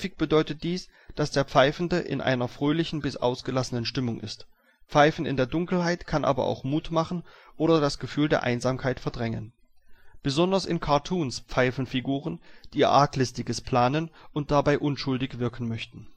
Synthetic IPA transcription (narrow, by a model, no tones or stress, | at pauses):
fɪk̚b̥ədɔʏtət̚d̥iːsd̥asd̥eːɐpp͡faɪfn̩dəʔɪ̰nʔa̰ɪnɐfʁ̥øːlɪçn̩bɪsʔa̰ʊsɡ̥əlasənənʃtɪmʊŋʔɪ̰st | pp͡faɪfn̩ɪ̰ndeːɐdʊŋkl̩haɪtkʰanʔa̰ːbɐ̰ʔa̰ʊxmuːtmaχn̩ʔoːɾɐdasɡ̥əfyːldeːɐʔaɪnzaːmkʰaɪtfɛɐdʁɛŋə̰n | b̥əzɔndɐsɪnkʰaɐtʰuːnspp͡faɪfn̩fiɡuːʁ̞ənd̥iːɐʔaːklɪstɪɡəspʰl̥aːnənʔʊnt̚d̥abaɪʔʊnʃʊldɪçv̥ɪɐkn̩mœçtn̩